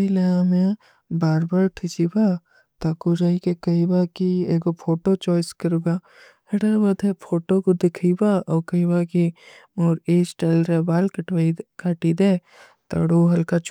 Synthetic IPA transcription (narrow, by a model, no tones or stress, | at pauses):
ileãmẽ | baːɾbaːɾʈʰɪt͡ʃiba | t̪akoɾaːikekɐibakieːɡopʰoːʈot͡ʃɔːjɪskɐɾuɡa | hɐɽəbɐd̪epʰoːʈokod̪ɪkʰibaɔːkɐibaːki | moːɾeːd͡ʒʈɐlɾebaːlkɐʈaikaːʈid̪eː | t̪ɐ̰ɽoɦɐlkat͡ʃ